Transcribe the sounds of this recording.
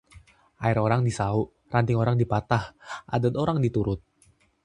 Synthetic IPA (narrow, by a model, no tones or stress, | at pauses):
ʔaɪɾoɾaŋdisauʔ | rant̪ɪŋoɾaŋdipat̪ahʔa̰dəd̪oɾaŋdit̪uɾʊt̪̚